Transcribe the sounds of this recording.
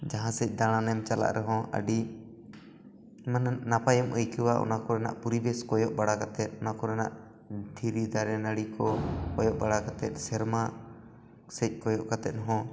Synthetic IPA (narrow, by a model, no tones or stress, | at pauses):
d͡ʒaɦãsɛc̚ˀd̪aɽ̃anɛmt͡ʃala̰ʔɾʔɛɦɔ̃ʔə̰ɖi | mannapajɛmʔujkiwaʔɔ̰nakɔɾɛna̰ʔpuɾibɛskɔjɔʔbaɽakat̪ɛt̪̚ˀɔnakɔɾɛna̰ʔ | d̪ʱiɾid̪aɾɛnaɽikɔkɔjɔʔbaɽakat̪ɛt̪̚ˀsɛɾma | sɛc̚ˀkɔjɔʔkat̪ɛt̪̚ˀɦɔ̃